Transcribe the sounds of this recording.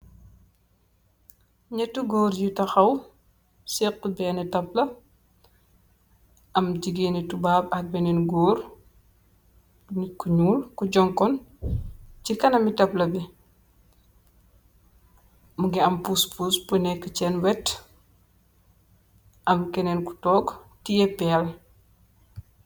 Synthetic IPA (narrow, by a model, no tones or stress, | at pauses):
ɲɐtːuɡɔːɾjutɐxɐw | sɛqːubɛːnɛtɐplɐ | ʔɐmɟiɡeːnitubaːbɐk̚bɛnɛnɡɔːɾ | nikuɲuːlkuɟɔŋkɔn | cikɐnɐmitɐplɐbi | muɡiɐmpuspuspunɛkːət͡ʃɛnwɛt | ʔɐmkɛnɛnku̥tɔːɡtijɛpɛːl